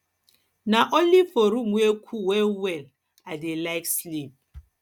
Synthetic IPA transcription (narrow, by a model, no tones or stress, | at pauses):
naʔolifoɾumekʰʷuwewel | adɪlaɪkslin